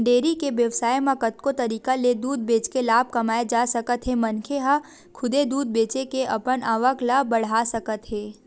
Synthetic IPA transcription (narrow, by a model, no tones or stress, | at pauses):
ɳɖeːɾikeʋjɐʋsaːjmãkət̪kot̪ɐɾiːkaled̪uːd̪̚beːt͡ʃkelaːb̚kɐmaːed͡ʒaːsəkət̪ɦɛ̃mɐnkʰeɦa | kʰʊd̪ed̪uːd̪̚beːt͡ʃekeʔɐpənaːʋəklabɐɽ̤asəkət̪ɦɛ̃ː